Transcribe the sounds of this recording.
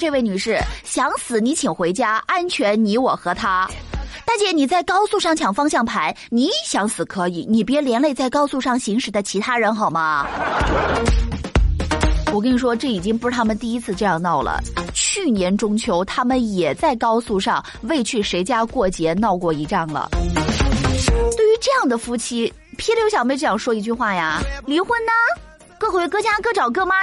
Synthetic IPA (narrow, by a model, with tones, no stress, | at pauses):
ʈ͡ʂɤ˥˧we˥˩ɪny˨˩ʂɻ̩˥˩ɕjɑ˧˥ŋsɹ̩˨˩ni˧˥t͡ɕʰi˨˩ŋxwe˧˥ɪt͡ɕja˥a˥nt͡ɕʰɥɛ˧˥nni˧˥wɔ˨˩xɤ˧˥t̪ʰa˥t̪a˥˩t͡ɕjɛ˥˩ni˨˩t͡sa˥˩ɪkɑ˥ʊsu˥˧ʂɑ˥˩ŋt͡ɕʰjɑ˨˩ŋfɑ˥ŋɕjɑ˥˩ŋpʰa˧˥ɪni˧˥˨ɕjɑ˧˥ŋsɹ̩˨˩˦kʰɤ˧˥i˨˧˩ni˨˩p̬jljɛ˧˥nle˥˧ɪt͡sa˥˩ɪkɑ˥ʊsu˥˧ʂɑ˥˩ŋɕi˧˥ŋʂɻ̩˨˩d̪ə˦t͡ɕʰi˧˥t̪ʰa˥ɻə˧˥nxɑ˨˩ʊmɐ˦ | wɔ˨˩k̬ɤ˥ni˨˩ʂwɔ˥ʈ͡ʂɤ˥˩i˨˩t͡ɕi˥ŋp̬u˧˥ʂ̩ɻ̩˥˩t̪ʰa˥mə˨nt̪i˥˩i˥t͡sʰɹ̩˥˧ʈ͡ʂɤ˥˧jɑ˥˧ŋnɑ˥˩ʊlə̰˩t͡ɕʰy˥˩njɛ˧˥nʈ͡ʂʊ˥ŋt͡ɕʰjo˧˥ʊt̪ʰa˥mə˨njɛ˨˩t͡sa˥˩ɪkɑ˥ʊsu˥˧ʂɑ˥˧ŋ | we˥˧ɪt͡ɕʰy˥˩ʂe˧˥ɪt͡ɕja˥kwɔ˥˩t͡ɕjɛ˧˥nɑ˥˧ʊkwɔ˥˩i˧˥ʈ͡ʂɑ˥˩ŋlə̰˩ | t̪we˥˩ɪy˧˥ʈ͡ʂɤ˥˧jɑ˥˩ŋd̪ə˩fu˥t͡ɕʰi˥ | pʰjɛ˥ljo˧˥ʊɕɑ˨˩me˧˥˧ʈ͡ʂjɑ˥˩ʂwɔ˥i˧˥t͡ɕy˥˧xwa˥˩ja˩li˧˥xwə˥˩nnɐ˩ | kɤ˥˩xwe˥kɤ˥t͡ɕja˥kɤ˥˧˩ʈ͡ʂɑ˨˩ʊkɤ˥˩ma˥